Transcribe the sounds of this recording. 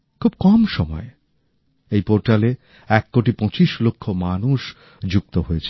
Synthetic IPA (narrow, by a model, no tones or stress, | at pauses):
kʰub̚kɔmʃɔmɔ̰e | ejpoɾʈale | ɛkːoʈipɔ̃t͡ɕiʃlokʰːomanuʃ | d͡ʑuk̚t̪oɦoet͡ɕʰe